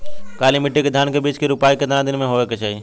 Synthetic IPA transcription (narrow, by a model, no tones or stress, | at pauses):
kaːliːmɪʈiːked̪ʱaːnkebiːt͡ʃkeɾʊpaːikəd̪ɾãd̪ɪnmẽɦoːʋeːket͡ʃʰaːiː